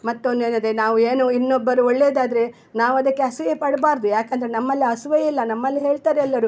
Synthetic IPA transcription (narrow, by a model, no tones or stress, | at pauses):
mɐt̪ːond̪eːnɐd̪enaːʋueːnuinːobːɐɾuɔɭːeːd̪aːd̪ɐɾe | naːʋuɐd̪ɐkːeɐsɐɡepɐɽbaːɾd̪ujaːkɐnd̪ɐɾenɐmːɐlːiɐsʋɐjilːɐnɐmːɐlːiɦe̞ːɭt̪aːɾeɛlːɐɾu